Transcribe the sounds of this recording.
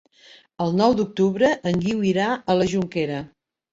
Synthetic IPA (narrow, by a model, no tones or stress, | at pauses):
əlˠnɔwd̪uk̚t̪uβɾəʔəŋɡiwiɾaələʒuŋkeɾə